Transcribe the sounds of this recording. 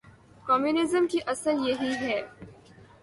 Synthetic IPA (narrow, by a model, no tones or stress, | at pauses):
kɔːmjunɪzəmkiʔɐsəɾjɐɦiɦɛː